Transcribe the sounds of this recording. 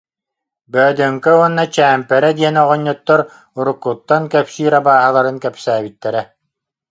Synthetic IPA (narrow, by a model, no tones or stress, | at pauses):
bœːd̪œŋkɛuɔnːat͡ɕæːmpɛɾɛd̪iɛnɔʁɔɲːut̪ːɔɾ | uɾukːut̪ːankɛpsiːɾabaːɦalˠaɾɯnkɛpsæːbit̪ːɛɾɛ